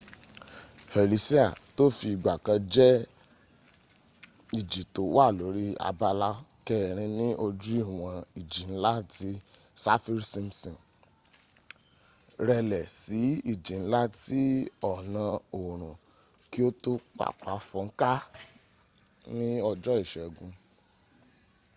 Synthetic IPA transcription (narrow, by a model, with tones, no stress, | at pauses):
he˨li˨˦si˦a˨to˦fi˧i˨ɡ͡ba˨kã˧d͡ʒɛ˦ | i˦˨d͡ʒi˨to˨wa˦˨lo˨˦ɾi˦a̰˧ba˦la˦kɛ˦˨ɾ̃ĩ˧nĩ˦ʔo˧d͡ʒi˦˨w̃ã˧i˨d͡ʒi˨n̩˦la˦ti˦ | sa˦fi˦ɾsĩ˧msɔ̃˨n | ɾɛ˧lɛ˨si˨˦i˦˨d͡ʒi˨n̩˦la˦ti˦ɔ˦˨nã˧o˨ɾ̃ũ˨ | ki˦o˦to˦k͡pa̰˦˨k͡pa˨˦fɔ̃˧ŋ̩˦ka˦ | nĩ˦ɔ˧d͡ʒɔ˦i˦˨ʃɛ˨ɡũ˨˧